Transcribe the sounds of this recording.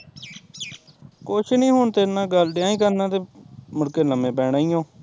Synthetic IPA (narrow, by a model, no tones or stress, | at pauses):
kot͡ʃʰnĩːɦoːɳt̪eːnãːɡəlɖãːĩːkəɾnãːt̪eːmʊɽkeːləmẽːpɛːɽaːiːõː